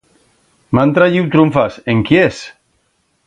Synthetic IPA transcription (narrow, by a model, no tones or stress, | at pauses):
mant̪ɾaʎiwt̪ɾuɱfaseŋkies